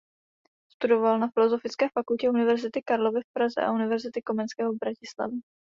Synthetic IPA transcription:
st̪udo̞valnafɪlo̞zo̞fɪt͡skɛːfakulcɛunɪvɛɾzɪt̪ɪkaɾlo̞vɪfpɾazɛ̰ʔa̰ʔunɪvɛɾzɪt̪ɪko̞mɛnskɛːɦobɾacɪsla̰vɪ

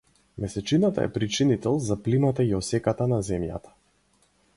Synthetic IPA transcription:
mɛsɛt͡ʃinat̪a̰ɛ̰pɾit͡ʃinit̪ɛlˠzaplimat̪aiɔsɛkat̪anazɛmja̰t̪ḁ

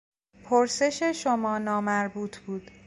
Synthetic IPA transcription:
pʰoɾse̞ʃeʃomɒːnɒːmæɾbuːt̪ʰb̥uːd̪̥

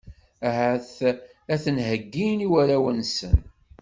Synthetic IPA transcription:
æɦæθ | æθənɦəɡːiniwæɾæwənsə̰n

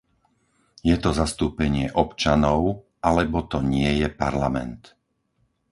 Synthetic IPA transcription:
jɛt̪ɔzast̪uːpɛɲɪɛʔɔpt͡ʃanɔʊ | ʔalɛbɔt̪ɔɲɪɛjɛpaɾlamɛ̰nt̪

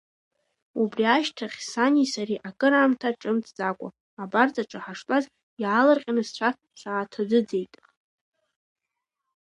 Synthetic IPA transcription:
ubriaʃtʰaχʲsanisaɾiʔakʼɨɾaːmtʰaʈ͡ʂʼɨmt͡sʰʼd͡zʼakʷʼʊ̰ | abart͡sʼaʈ͡ʂʼaħaʂtʼaz | jaːlarqʲʼanɨzt͡ʃʷʰa | sʷaːtʰadɨd͡ze̞jtʼ

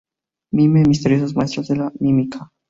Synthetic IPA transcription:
mimɛmist̪ɛɾisozmajst̪ɾat̪ɛlamimikʰa

